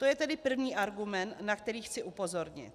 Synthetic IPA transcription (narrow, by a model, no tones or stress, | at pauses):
t̪o̞jɛt̪ɛdɪpr̩vɲiːʔaɾɡumɛnt̪nakt̪ɛɾiːxt͡sɪʔupo̞zo̞ɾɲɪ̰t̪̚